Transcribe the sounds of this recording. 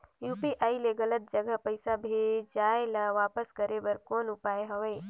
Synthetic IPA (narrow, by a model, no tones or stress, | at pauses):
juːpiʔaːileɡɐlət̪̚d͡ʒɐɡəɦpəɪsabʱid͡ʒaːelaʋaːpəskɐɾebɐɾkoːnʊpaːeɦɐʋe